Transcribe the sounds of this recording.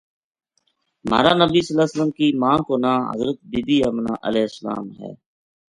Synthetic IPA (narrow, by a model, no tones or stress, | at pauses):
ma̰ːɾaːnəbiːsəlaːsələmkiːmãːkoːnãːɦə̰zɾət̪̚bɪd̪iːəːmna̰ːʔəlɛːɪsəla̰ːmɦɛ̰ː